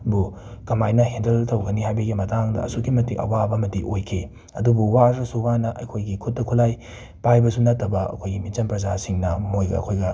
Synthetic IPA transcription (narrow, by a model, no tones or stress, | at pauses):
bu | kɐmajnɐhendɐltɐwɡɐniɦajbɐɡimɐtaŋdɐ̰ɐ̰sukimɐtiʔɐ̰wabɐmɐdiʔojkʰi | ɐ̰dubuwaɾɾɐsuwanɐʔɐjkʰojɡikʰut̚ːɐkʰulaj | pajbɐsunɐtʰːɐbɐɐ̰kʰojɡimit͡ʃɐmpɾɐzasiŋnɐmojɡɐ̰ɐ̰kʰojɡɐ